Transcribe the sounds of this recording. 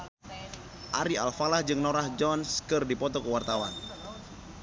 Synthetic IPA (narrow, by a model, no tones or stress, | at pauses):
ʔaɾia̰lfalahd͡ʒɨŋnoɾahd͡ʒɔnskɨrdipɔt̪ɔkəwart̪awan